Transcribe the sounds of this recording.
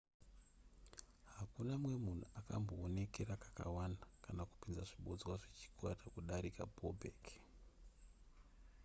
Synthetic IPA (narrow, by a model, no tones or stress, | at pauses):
hakunamwe̞mun̤uakamboːne̞ke̞rakḁka̰wanakanaku̥pinzaʐiɓo̞d͡zwaʐet͡ʃi̥kwatakuɗaɾikabobʱeːk